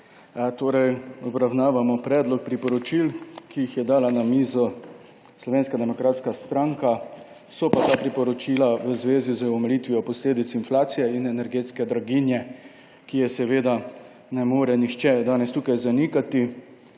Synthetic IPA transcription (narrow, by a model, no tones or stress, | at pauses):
t̪oːɾɛjɔbɾawnaːʋamɔpɾɛːd̪lɔk̚pɾipɔɾɔt͡ʃilkijixjɛd̪aːlanamiːzɔ | slɔʋeːnskad̪ɛmɔkɾaːt̪skast̪ɾaŋka | sɔpat̪aːpɾipɔɾɔt͡ʃiːlaʋəzʋeːzizəɔmɛliːt̪ʋiɔpɔsleːd̪it̪sinflaːt̪sijɛinɛnɛɾɡeːt̪skɛd̪ɾaɡinjɛ | kijɛsɛʋeːd̪a | nɛmoːɾɛnixt͡ʃɛd̪aːnɛst̪uːkajzanikat̪i